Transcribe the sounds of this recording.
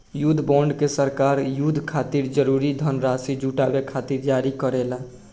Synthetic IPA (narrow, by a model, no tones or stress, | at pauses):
jud̪ʱbɔɳɖkesəɾkaɾjud̪ʱkʰat̪iɾd͡ʒəɾuɾid̪ʱənɾasid͡ʒuʈabekʰat̪iɾd͡ʒaɾikəɾela